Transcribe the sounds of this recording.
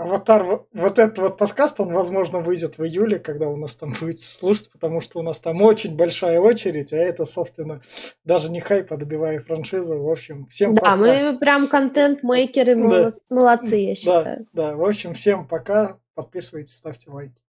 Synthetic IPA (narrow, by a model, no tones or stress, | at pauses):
vɐt̪arvvo̞t̪ɛt̪ət̪vo̞t̪̚pɐt̪kast̪o̞nvɐzmo̞ʐnəvɨjdʲɪt̪vɨjulʲɪkɐɡ̚d̪aʊnast̪ambujɪt̪sə̥slˠuʂətʲpə̥t̪ɐmuʂt̪oʊnast̪amo̞t͡ɕɪnʲbɐlʲʂajəo̞t͡ɕɪɾʲɪtʲaɛt̪əso̞pst̪vʲɪnːəd̪aʐɨnʲɪxajpəd̪əbʲɪvajɪfɾɐnʂɨzʊvo̞pɕːɪmfsʲemdp̪pɐamɨpɾʲamkɐnt̪ɛnt̪mejkʲɪɾɨmd̪aməlˠɐt̪sɨjaɕːd̪aa̰jʊ̰d̪avo̞pɕːɪmfsʲe̞mpɐka | pɐt̪̚pʲisɨvəjtʲɪ̥sʲt̪afʲtʲɪlˠajkʲɪ̥